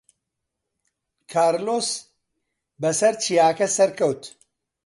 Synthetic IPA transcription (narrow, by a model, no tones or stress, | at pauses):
kʰaːɾlos | bɐsɐɾt͡ʃʰijaːkɐsɐɾkʰɐwt̪